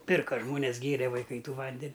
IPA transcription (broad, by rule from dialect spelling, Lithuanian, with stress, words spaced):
ˈpʲɪrkɐ ˈʒmoːnʲɛs ˈɡʲeːrʲɛ ʋɐɪˈkɐɪ ˈtuː ˈʋɐnʲdʲɛnʲ